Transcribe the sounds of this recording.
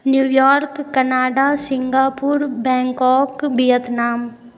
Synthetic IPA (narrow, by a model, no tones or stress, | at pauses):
njuːjɔːɾkːɐnaːɖasɪ̃ŋɡaːpuɾbɛ̃ːŋkɔːkbijət̪naːm